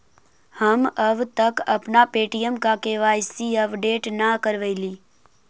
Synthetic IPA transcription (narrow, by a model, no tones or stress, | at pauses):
həməbt̪əkɐpnapeːʈijəmkakeʋaːjsiəpɖeːʈnakəɾʋəɪliː